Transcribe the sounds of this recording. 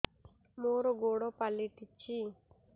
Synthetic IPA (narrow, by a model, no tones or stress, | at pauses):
moːɾoɡoːɽopaliʈit͡ʃʰi